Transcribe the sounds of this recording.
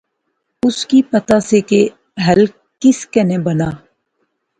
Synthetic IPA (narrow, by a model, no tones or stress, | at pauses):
ʊskipət̪aseke | ɦəl | kɪskɛnebənaː